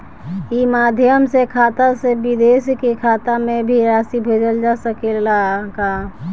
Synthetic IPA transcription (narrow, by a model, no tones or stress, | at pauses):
imaːd̪ʱjəmsekʰaːt̪asebɪd̪eːskikʰaːt̪amẽbʱiɾaːsibʱeːd͡ʒəld͡ʒasəkelaka